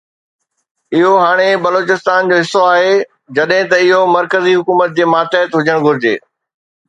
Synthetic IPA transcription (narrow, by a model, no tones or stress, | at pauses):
ɪɦoɦaːɽ̃ebɐloːt͡ɕɪst̪aːnd͡ʑoːɦɪsːoaːɦe | d͡ʑɐɗɦɪ̃t̪ɐɪɦomɐɾkəziɦʊkuːmət̪̚d͡ʑeːmaːt̪eɦət̪ɦʊd͡ʑʱəɽ̃ɡʱʊɾɪd͡ʑḛː